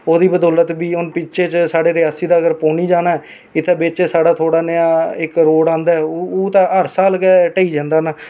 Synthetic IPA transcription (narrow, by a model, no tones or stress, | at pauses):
oːd̪iːbəd̪oːlət̪biːʊnpɪt͡ʃʰeːt͡ʃsaːɖeːɾɪjaːsiːd̪aːɡəɾpoːniːd͡ʒaːnaːɛː | ɪt̪ʰːeːbeːt͡ʃeːsaːɽaːt̪ʰoːɽaːnəjaːɪkɾoːɽãːnd̪aːɛoːt̪ãɦəɾsaːlkɛːʈəiːd͡ʒãːnd̪aːnaː